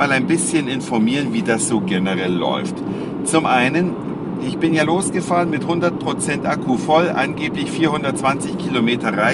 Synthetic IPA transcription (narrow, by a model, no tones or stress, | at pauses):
aːlaɪnbɪsçənɪnfɔɐmiːʁənviːdasz̥oːɡɛnəʁɛlːɔ̰ʏft | t͡sʊmʔaɪnən | ʔɪçb̥ɪnjaːloːsɡ̥əfaːʁənmɪthʊndɐt̚pʁ̥ot͡sɛntʔakʰufɔlʔa̰nɡeːplɪçfiːɐhʊndɐtt͡sv̥ant͡sɪçkʰiːlomeːtʰɐʁaɪ